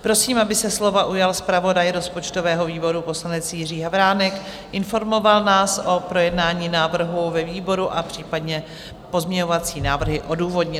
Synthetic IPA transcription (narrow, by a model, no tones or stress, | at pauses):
pɾo̞siːmabɪsɛslo̞vaʔujalspɾavo̞dajɾo̞spo̞t͡ʃt̪o̞vɛːɦo̞viːbo̞ɾupo̞slanɛt͡sjɪr̝iːɦavɾaːnɛk | ʔɪnfo̞ɾmo̞valnaːsʔo̞pɾo̞jɛdnaːɲiːnaːvr̩ɦuvɛviːbo̞ɾuʔapr̝̥iːpadɲɛ | po̞zmɲɛɲo̞vat͡siːnaːvr̩ɦɪʔo̞duːvo̞dɲɪ